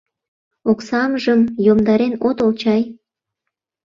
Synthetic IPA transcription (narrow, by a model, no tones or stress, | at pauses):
oksɑmʒəmjomd̪ɑɾenot̪olt͡ɕɑj